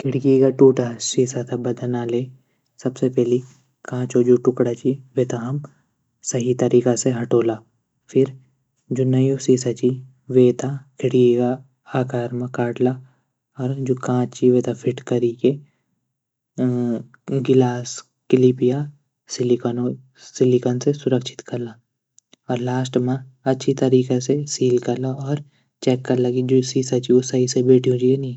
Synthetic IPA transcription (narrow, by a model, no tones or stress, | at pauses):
kʰɪɽɡikaʈuːʈasiːsat̪ʰabɐd̪ənaːleː | sɐbsepɛɦli | kãːt͡ʃod͡ʒoʈʊkɽat͡ʃiʋeːt̪aɦɐm | sɐɦit̪ɐɾiːkaseɦɐʈoːlaː | fʰɪɾ | d͡ʒonɐjosiːsat͡ʃi | ʋeːt̪ʰakʰɪɽɡika | aːkaːɾmãkaːʈla | ɔːɾd͡ʒoːkãːt͡ʃiʋeːt̪apʰɪʈkɐɾike | ɡɪlaːs | kɪlipija | sɪlikːno | sɪlikɔnsesʊɾəkʃʰɪ̥t̪kɐɾla | ɔːɾlaːsʈmãɐtːʃʰit̪ɐɾiːkesesiːlkɐɾlaɔːɾ | t͡ʃɛːkːɐɾlakid͡ʒosiːsat͡ʃiʊsaisebeːʈʰijũd͡ʒienĩ